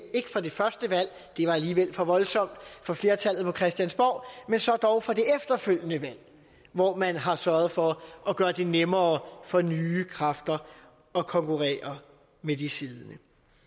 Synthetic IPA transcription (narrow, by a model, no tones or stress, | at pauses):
e̝ɡ̥əfɒd̥e̝fɶɐsd̥əʋæl̰ | d̥e̝ʋɑ̈æliːʋel̰fɒ̽ʋɒ̽lsɒ̽m̰d̥fɒ̽fle̝ːɐt͡sʰæl̰ð̩ˠpʰɒ̽kʰʁɛsd̥jænsb̥ɒʊ̰mensɒ̽d̥ɒʊfɒ̽d̥e̝efd̥ɐføl̰jənəʋæl̰ | ʋɒmænɦɑ̈sɶɐð̞̩ˠfɒ̽ʔɒ̽ɡ̥ɶːɐd̥e̝nemɐːfɒ̽nyːkʰʁɑ̈fd̥ɐ | ɒ̽kʰɒ̽ŋkʰuʁɛ̰ːɐ | med̥isiːð̰ˠnə